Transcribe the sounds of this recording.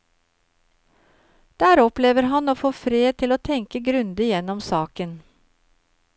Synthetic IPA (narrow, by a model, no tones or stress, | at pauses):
d̪̥æːɾɔpleːʋəɾɦɑnoːfoːfɾeːt̪ʰɪloːt̪ʰɛŋkəɡɾʉnd̪əjɛnɔmsɑːkən